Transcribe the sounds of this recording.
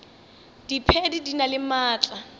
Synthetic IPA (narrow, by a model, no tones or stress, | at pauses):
d̥ipʰɛdidinalɪmaːt͡ɬʼa